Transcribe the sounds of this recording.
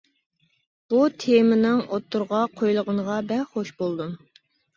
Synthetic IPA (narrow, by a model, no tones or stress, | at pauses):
b̥ut̪ʰemɪnɪŋot̪ʰːuɾʁɑqʰojlˠəʁəɴʁɑbɛχoʃbolˠd̪um